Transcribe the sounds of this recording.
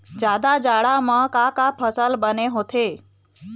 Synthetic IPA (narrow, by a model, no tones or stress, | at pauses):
d͡ʒjad̪ad͡ʒaɽamãkakapʰəsəlbəneɦot̪ʰe